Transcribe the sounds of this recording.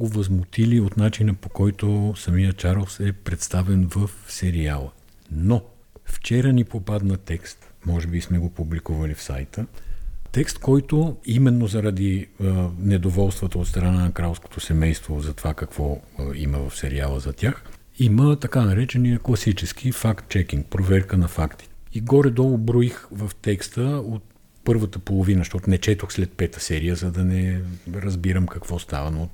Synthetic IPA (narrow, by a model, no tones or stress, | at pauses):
ɡovəzmot̪iliot̪nat͡ʃinəpokɔjt̪osɐmijət͡ʃaɾosɛpɾɛt̪st̪avɛnvəfsɛɾialˠə | no | ft͡ʃɛɾənipopad̪nɐt̪ɛkst̪mɔʒɛbismɛɡopublikuvəlifsa̰jt̪ət̪ɛkst̪kɔjt̪oimɛnːozɐɾɐd̪i | nɛd̪ovɔlˠst̪vət̪əot̪st̪ɾɐnanɐkɾalˠsko̥t̪osɛmɛjst̪vozɐt̪ovakɐkv̥ɔ | iməvɐfsɛɾialˠəzɐt̪ʲjax | imət̪ɐkanɐɾɛt͡ʃɛniəklˠɐsit͡ʃɛsk̟ifakt̪t͡ʃɛk̟iŋk̚pɾovɛɾkənɐfakt̪i̥iɡɔɾɛd̪ɔlˠobɾuixvəft̪ɛkst̪əot̪̚ | pɤɾvət̪əpolˠovinəʃt̪ɔt̪ʊnɛt͡ʃɛt̪oxslɛt̪̚pɛt̪əsɛɾijəzɐd̪ɐnɛɾɐzbiɾəmkɐkv̥ɔst̪a̰vɐno